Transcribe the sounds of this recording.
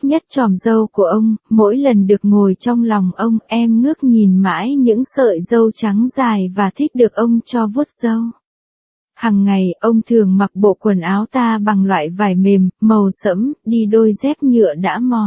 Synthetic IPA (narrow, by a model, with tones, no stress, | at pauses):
ɲə˦˥t̚t͡ɕɔ˨˩nzə˧wku˧˩əʔə˧wŋ͡mmo̰˧˥jlə˨˩nɗɨ˨˩ək̚ŋo˨˩jt͡ɕɔ˧wŋ͡mlɔ˨˩wŋ͡mʔə˧wŋ͡mʔɛ˧mnɨ˦˥ək̚ɲi˨˩nma̰ː˧˥jɲɨ̰˧˥ŋsə̰ː˧˨jzə˧wt͡ɕa˨˦ŋzaː˨˩jvaː˨˩t̪ʰi˦˥k̟̚ɗɨ˨˩ək̚ʔə˧wŋ͡mt͡ɕɔ˧vu˦˥ət̚z̥ə˧w | haː˨˩ŋːa˨˩jʔə˧wŋ͡mt̪ʰɨ˨˩əŋma˨˩k̚ɓo̰˧˨kwə˨˩nʔaː˨˦wt̪aː˧ɓa˨˩ŋlwa̰ː˧˨jvaː˨˩jme˨˩mːə˨˩wsə̰˧˥mɗi˧ɗo˧jzɛ˦˥p̚ɲɨ̰˧˨əɗa̰ː˧˥mɔ˨˩